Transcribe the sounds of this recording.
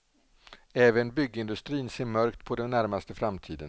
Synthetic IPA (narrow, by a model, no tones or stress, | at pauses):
ɛːvənbʏɡːəɪnd̪ɵst̪ɾiːnseːɾmœɾkt̪pʰɔd̪ɛnːæɾmast̪əfɾamt̪ʰiːd̪ə̰n